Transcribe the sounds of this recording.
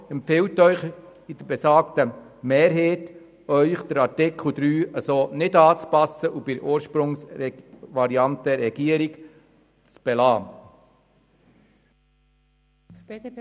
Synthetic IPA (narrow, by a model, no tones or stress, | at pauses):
ɛmpfɪltːœʏχ | id̥̪əɾbɛsɑːktə | meːɾɦeːt | œʏχd̪̥əɾɑɾtɪkʰl̩ˠd̪ɾyːəsoːnɪd̪ɑːt͡spɑsəʔub̥ɪɾoːɾʃpɾʊŋs | ʋɑɾiɑntəɾɛɡ̥iəɾiɡ | t͡sb̥ɛlɑː